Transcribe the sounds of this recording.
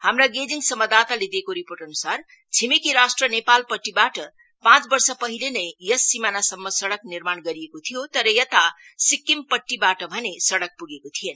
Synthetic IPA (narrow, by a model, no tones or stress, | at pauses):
hamɾaɡed͡ziŋɡsʌmːʌd̪at̪alid̪ekoɾipoɾʈʌnusar | t͡sʰimikiɾasʈrənepalpʌʈːibaʈʌ | pãt͡sbʌɾsʌpʌɦilenʌjjʌsːimanasʌmːʌsʌɽʌkniɾmaɳɡʌɾijekot̪ʰijot̪ʌɾʌjʌt̪asikːimpʌʈːibaʈʌbʱʌnesʌɽʌk̚puɡekot̪ʰijen